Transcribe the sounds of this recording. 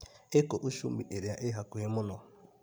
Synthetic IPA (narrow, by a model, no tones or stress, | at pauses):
ɪkoʔuʃum̩bḭʔeɾiaʔɪɦakʊɦɪmʊnɔ